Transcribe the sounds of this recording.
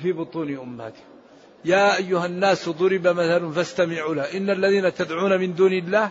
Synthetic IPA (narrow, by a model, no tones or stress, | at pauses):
fiːbʊt̪ˤuːnʔʊmːa̰t̪ɪ̥ | jaːʔajːʊhanːaːsðˤʊɾɪbamaθalanfast̪amɪʕulaʔɪnːalːaðiːnat̪ad̪ʕuːnamɪnd̪uːnɪlːaːh